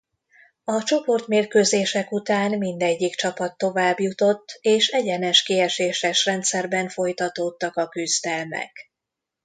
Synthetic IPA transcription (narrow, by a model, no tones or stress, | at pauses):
ɒt͡ʃo̞po̞rt̪meːrkøːzeːʃɛkut̪aːnmind̪ɛɟːikt͡ʃɒpɒt̪ːo̞vaːbjut̪o̞t̪ːeːʃɛɟɛnɛʃkiɛʃeːʃɛʃrɛnt̪sɛrbɛɱfo̞jt̪ɒt̪oːt̪ːɒkɒkyzd̪ɛlmɛ̰k